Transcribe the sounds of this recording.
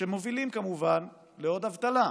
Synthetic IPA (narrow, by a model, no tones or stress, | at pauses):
ʃemo̞vilimkamuvan | leo̞d̪avt̪ala